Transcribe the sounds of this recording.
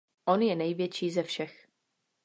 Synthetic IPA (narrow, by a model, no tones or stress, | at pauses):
ʔonjɛnɛjvjɛt͡ʃiːzɛfʃɛx